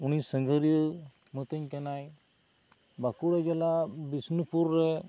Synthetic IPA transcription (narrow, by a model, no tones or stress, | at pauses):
unisəŋɡʱəɾjəmət̪əɲkɛnaj | bakuɽɛɡɛlabisnupuɾːɛ